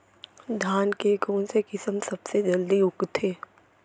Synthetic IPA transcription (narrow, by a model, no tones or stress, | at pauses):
d̪ʱaːnkekoːnsekɪsəmsɐbsed͡ʒɐld̪iʊkt̪ʰeː